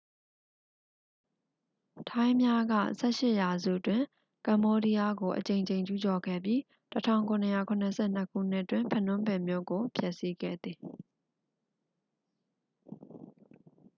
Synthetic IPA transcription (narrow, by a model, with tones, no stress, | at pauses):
tʰã˦ɪ̃mja˦ɡä̰˦˨ʔsɛ˦ʃɪ˦ʔja˨zṵ˦˨ʔtwɪ̃˨ | kã˨mbɔ˦ɾi˦ja˦ɡo˨ʔət͡ɕẽ˨ɪ̃ɲd͡ʑẽ˨ɪ̃ɲt͡ɕu˦t͡ɕɔ˨ɡɛ̰˦˨bji˦ | tətʰã̰˦˨ʊ̃ŋkʰʊ̃˨nə˨ja˦˨kʰʊ̃˨nə˨sʰɛ̰˦˨n̥ə˦kʰṵ˦˨n̥ɪ˦ʔtwɪ̃˨mpʰɛ̃˦˨nʊ̃˦mbɛ˨mjo˦˨ɡo˨pʰjɛ˦ʔsi˦ɡɛ̰˦˨d̪ði˨